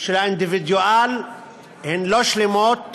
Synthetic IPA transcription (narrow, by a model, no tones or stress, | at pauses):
ʃelaind̪ivid̪jual | henloʃlemot̪̚